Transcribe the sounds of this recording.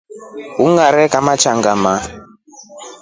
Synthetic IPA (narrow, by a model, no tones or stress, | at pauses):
uŋɡaɾɛkamat͡ʃaŋɡama